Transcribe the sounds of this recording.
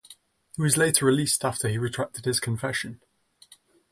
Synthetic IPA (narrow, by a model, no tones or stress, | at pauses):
hiwɒzleɪtʰəɹɪliˑstʰaftʰəiɹɪtʰɹ̥ak̚tʰɪd̥ɪz̥kʰə̃ɱfɛʃə̃n